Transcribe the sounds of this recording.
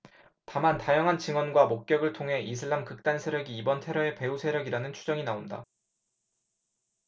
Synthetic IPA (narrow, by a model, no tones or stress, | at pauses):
tamantajaŋɦant͡ɕiŋwʌnɡwamok̚k͈jʌɡɯɭtʰoŋɦe̞ʔisʰɯɭːamkɯk̚t͈ansʰe̞ɾjʌɡiːbʌntʰe̞ɾʌe̞pe̞usʰe̞ɾjʌɡiɾanɯnt͡ɕʰu̥d͡ʑʌŋinaonda̰